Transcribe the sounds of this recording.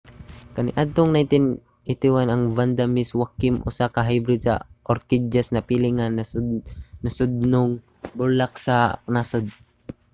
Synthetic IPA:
kaniʔad̪̚t̪oŋnajnt̪ɪn | et̪iwanaŋvand̪amiswakːɪmʔʊ̰sakaɦajbɾɪd̪̚sa̰ʔɔɾkid͡ʒasnapiliŋanːasdnasʊd̪̚nʊŋ | bʊlak̚sanasʊd̪̚

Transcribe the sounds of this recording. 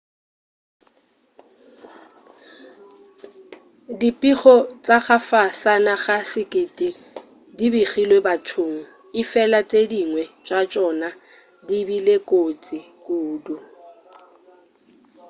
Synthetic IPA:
dipʼiχɔt͡sʼaχafasanaχasɪkʼɪtʼi | dibiχilwebatʰʊŋ̩ | ɪfɛlat͡sʼediŋwɛt͡ʃʼat͡ʃʼɔna | dibilekʼot͡sʼikʼuːdu

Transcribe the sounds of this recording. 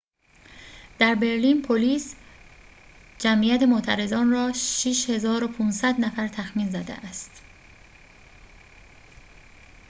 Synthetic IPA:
d̪̥æɾbe̞ɾliːnpʰoliːs | d͡ʒæmʔijæt̪ʰemot̪ʰæɾe̞zɒːnrɒːʃiʃhe̞zɒːɾopʰuːnsæd̪næfæɾt̪ʰæxmiːnzæd̪ḛʔæst̪

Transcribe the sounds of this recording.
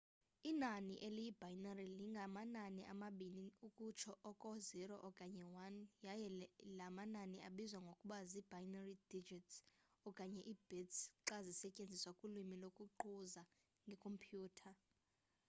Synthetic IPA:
inaniʔelijib̥ʱajinariliŋɡʱamananiʔamaɓiniukʼut͡ʃʰɔʔɔkʼɔziɾɔʔɔkʼaɲɛwanjajɛlamanania̰ɓizwaŋɡʱokʼuɓazib̥ʱajinarid̥id͡ʒitsɔkʼaɲɛʔib̥ʱɛtsǁazisɛcʼend͡zʱiswakʼulimilokʼuǃuza | ŋɡʱɛkʰʼompʰʼjuːtʰa

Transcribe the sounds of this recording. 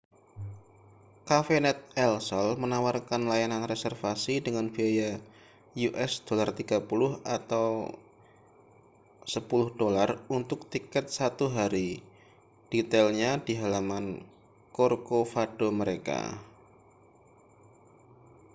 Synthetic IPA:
kafenɛt̪̚ɛlsɔlmənawarkanlajananresɛrfasidəŋanbiaja | juʔɛsd̥olart̪iɡ̥apulʊhat̪aw | səpulʊhd̥olarunt̪ʊk̚t̪ikɛt̪̚sat̪uɦaɾi | d̥it̪ɛlɲad̥iɦalaman | korkofad̥oməɾeka̰

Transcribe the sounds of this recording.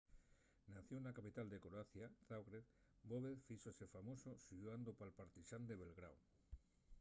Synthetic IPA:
naθjonakapit̪ald̪ekɾoaθjaθawɣɾeð | boβeðfisosefamosoʃuand̪opalpaɾt̪iʃand̪eβelɣɾaw

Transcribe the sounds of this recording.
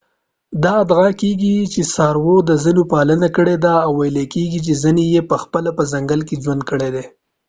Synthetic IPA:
d̪ɑːd̪ɣakeɡit͡ʃesɑɾwod̪əzənopɑlənakəɽed̪aːwːajlakeɡit͡ʃezənejepəxpəlapəzaŋɡəlked͡ʒwand̪̚kəɽed̪e

